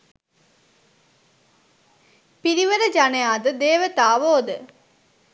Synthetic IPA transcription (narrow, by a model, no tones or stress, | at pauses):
piɾiʋəɾəd͡ʒanejaːd̪əd̪eːʋət̪aːʋoːd̪ə